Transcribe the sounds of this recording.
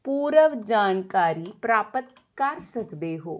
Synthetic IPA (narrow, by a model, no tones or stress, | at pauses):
puːɾəʋd͡ʒaːnkaːɾiːpɾaːpət̪ | kəɾsəkd̪eːɦoː